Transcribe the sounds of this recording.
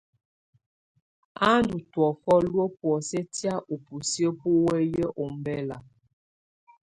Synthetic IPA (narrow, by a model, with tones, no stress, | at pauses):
a˦ndu˨twɔ˨kɔ˦lwo˦pwɔ˨sɛ˦tja˦ʔo˨pu˨sjə˦po˦wɛ˦jə˦ʔo˨m˨bɛ˦la˨